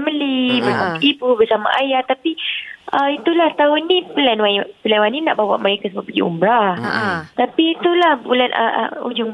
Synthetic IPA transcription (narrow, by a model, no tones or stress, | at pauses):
məlibəsamaibubərsama̰ʔajat̪apiəit̪ulaht̪aʊnipəlanwapəlanwanina̰ʔbawa̰ʔməɾekasəbaʔpəɡḭṵmbɾa | t̪apit̪ulahbulanʔə̰ṵd͡ʒʊŋ